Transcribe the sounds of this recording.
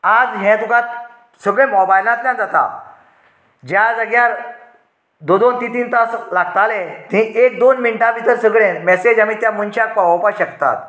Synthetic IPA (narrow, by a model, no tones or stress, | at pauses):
ad͡zɦɛ̃t̪ukãt̪̚ | səɡɭẽmɔbajlat̪ljãd͡zat̪a̰ | d͡ʑjad͡zəɡjaɾ | d̪od̪ont̪it̪iːnt̪aslaɡt̪alẽt̪ĩʔek̚d̪onmiɳʈãbit̪əɾsəɡɭẽmɛsed͡ʑamit̪jamunt͡ɕakpaʋpaɕəkt̪a̰t̪̚